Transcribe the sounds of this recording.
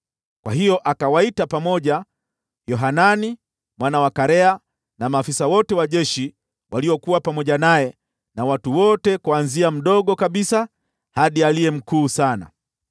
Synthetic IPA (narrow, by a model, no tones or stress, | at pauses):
kwa̰ɦijɔʔakawaitapamɔʄa | jɔɦanani | mwanawakaɾɛa | namaːfisawɔtɛwaʄɛʃi | wʔaliɔkuwapamɔʄanajɛ | nawatuwɔtɛkuanziam̩ɗɔɠɔkaɓisa | haɗialijɛm̩kuːsana̰